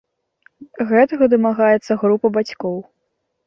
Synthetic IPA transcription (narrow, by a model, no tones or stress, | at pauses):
ɣɛt̪ɐɣɐd̪ɨmaɣajɛt̪sːɐɣɾupɐbat͡sʲkɔw